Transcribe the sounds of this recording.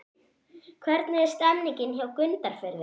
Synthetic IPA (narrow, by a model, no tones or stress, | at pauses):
kʰvɛɾt̪naɛ̥st̪ɛmniɲcɪnçawkʏnt̪aɾ̥fʏɾvɪ